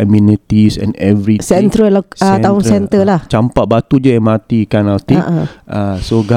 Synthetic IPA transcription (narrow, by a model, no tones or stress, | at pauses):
ɛmjunit̪isɛ̰̃nɛvɾisɛnt̪ɾəlɔkaɛ̃aʊŋsɛnt̪əlaht͡ʃampaʔ̚bat̪ud͡ʒəɛmat̪ikanalt̪ĩʔʔasoɡa